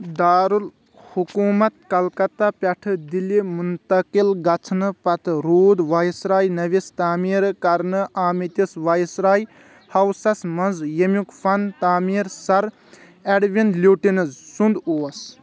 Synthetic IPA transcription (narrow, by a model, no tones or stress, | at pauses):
d̪aːɾul | hukumɐt̪̚kɐlkɐt̪ːapʲɛʈʰɨd̪ilimunt̪ɐkilɡɐt͡sʰnɨpɐt̪ʰɾuːd̪ʋaːjsɾaːjnɐʋist̪aːmiɾkɐɾnɨʔaːmit̪ʲisʋajsɾaːj | hɐwsɐsmɐnzjemukfʰɐnt̪aːmiːɾsɐɾ | eɖʋind̪lʲjuːʈinɨzsund̪oːɐs